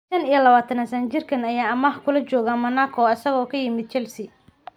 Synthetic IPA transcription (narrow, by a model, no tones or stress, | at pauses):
ʃɐnijɐlɐβaːt̪ʰɐnɐsɐnt͡ʃɪrkʰɐnɐjaːɐmɐhkʰʊlɐt͡ʃɔːɣaːmɐnaːkʰɔɐsɐɣɔːkʰɐjɪmɪd̪̚t͡ʃɛlsɪ